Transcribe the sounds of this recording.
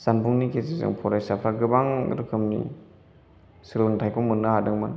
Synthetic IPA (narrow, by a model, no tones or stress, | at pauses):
z̥anbuŋnikezizɯ̰ŋpʰɔɾajsapʰaɡɯbaŋɾɯkʰɯmnḭ | sɯlɯŋtʰajkɔmɯnːɯɦadɯŋmɯn